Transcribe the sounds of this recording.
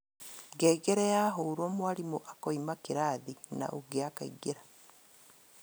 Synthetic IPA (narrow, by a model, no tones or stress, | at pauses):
ɡɛːɡɛɾɛjaɦoɾɔmwaɾimoʔakɔimakeɾaːðina̰ʔuɡeaka̰ḭɡeɾa